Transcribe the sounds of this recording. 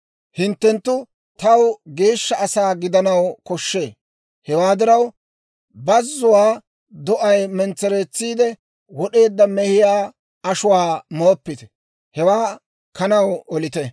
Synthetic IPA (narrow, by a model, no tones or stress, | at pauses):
hɪnt̪ːɛnt̪ːʊ | t̪ɐwɡe̞ːʃːɐɐsaːɡɪd̪ɐnɐwkɔʃːe̞ː | hɛwaːd̪ɪɾɐw | bɐzːʊwaː | d̪ɔʔɐjmɛnt͡sːɛɾeːt͡sːiːd̪ɛ | wɔɗe̞ːd̪ːɐmɛhɪjaː | ɐʃʊwaːmo̞ːpːɪt̪ɛ̥ | hɛwaː | kɐnɐwɔlɪt̪ɛ